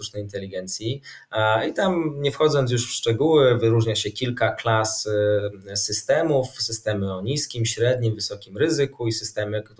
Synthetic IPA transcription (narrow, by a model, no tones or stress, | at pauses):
ut͡ʂnɛjint̪ɛlʲiɡɛnt̪sʲji | it̪amɲɛfxɔd̪zɔnjuʂfʂt͡ʂɛɡuwɘvɘɾuʐɲaɕɛkʲilkaklas | sɘst̪ɛmufsɘst̪ɛmɘɔɲiskʲimɕɾɛd̪̚ɲimvɘsɔkʲimɾɘzɘkuisɘst̪ɛmɘk̪